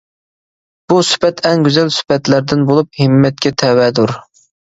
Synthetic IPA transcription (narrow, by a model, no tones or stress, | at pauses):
b̥usy̥pɛt̪ʰɛŋɡʲyzɛlsy̥pɛt̪læɾd̪ɪnbolˠup̚hɪmːɛt̪̚kʲɛt̪ʰɛwɛd̪uɾ